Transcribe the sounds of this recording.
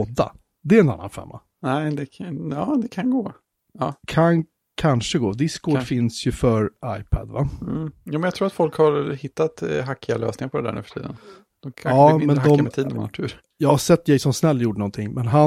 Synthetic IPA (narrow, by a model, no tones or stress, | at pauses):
ɔd̪ːa̰ | d̪ɛɛɾɛna̰nːa̰nfɛ̰mːa̰ | nɛɪd̪ɛɑːd̪ɛkʰanɡoː | ɑːkʰan | kʰanʂəɡoːd̪ɪskoːɖfɪnsjɵfœɾajpʰæ̰d̪vajuːmɛnjakt̪ʰɾuːɾat̪fɔlkhaɾhɪt̪ːat̪ɦakʰːɪalø̰ːsnɪŋaɾpʰɔd̪ɛd̪æ̰ɾnʉ̰ːfœ̥ʈʰḭːd̪ə̰n | d̪̥ɔmkʰaɑːmɛnd̪ɔaɔmɛt̪ʰiːd̪ənmnat̪ʰʉːɾ | jɑːɡhaʂɛt̪ːd̪ɛjsɔmsnɛlːjuːɖənɔnt̪ʰɪŋːmɛnɦa